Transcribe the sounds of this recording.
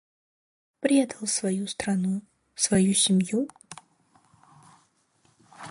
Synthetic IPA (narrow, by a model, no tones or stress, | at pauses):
pɾʲed̪əlˠsvɐjust̪rɐnu | svɐjusʲɪmju